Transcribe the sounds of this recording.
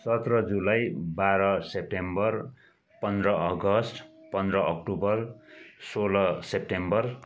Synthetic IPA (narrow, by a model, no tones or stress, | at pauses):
sʌt̪rʌd͡zulajbaɾʌsep̚ʈembʌr | pʌnd̪rʌʌɡʌsʈpʌnd̪rʌʌk̚ʈubʌrsolʌsep̚ʈembʌr